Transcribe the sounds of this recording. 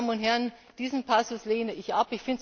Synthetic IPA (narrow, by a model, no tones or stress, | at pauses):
mənʊntɦɛɐn | d̥iːzn̩pʰasʊsleːnəɪçʔapɪçfɪnt